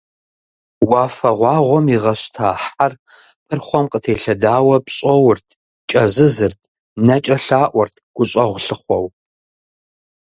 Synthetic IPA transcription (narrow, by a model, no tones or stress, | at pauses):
waːfɐʁʷɑːʁʷɔmiʁɐɕtʰaːħar | pʼɨrχʷɔmqətʰeːɬɐdaːwɐpɕʼɐwʊrtʰ | t͡ʃʼɐzɨzɨrtʰ | nɐt͡ʃʼɐɬaːʔʷɔrtʰɡ̥ʷʊɕʼɐʁʷʊɬɨχʷɔw